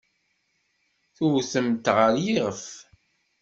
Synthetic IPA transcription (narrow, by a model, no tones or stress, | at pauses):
θuwθəmt̪ʁəɾjiʁəf